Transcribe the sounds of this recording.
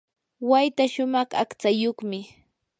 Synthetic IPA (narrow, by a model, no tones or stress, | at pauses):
wajt̪aʃʊmɑχa̰kt͡sajoχmɪ